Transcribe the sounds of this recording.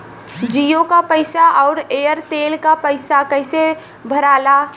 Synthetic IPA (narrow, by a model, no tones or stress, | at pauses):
d͡ʒijokapəɪsaʔɔʊɾejəɾt̪eːlkapəɪsakəɦɪse | bʱəɾaːla